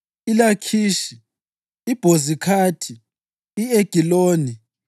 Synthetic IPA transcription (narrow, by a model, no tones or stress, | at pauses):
ilakʰiːʃiː | b̥ʱozikʰaːtʰi | ieɡ̥ʱiloːni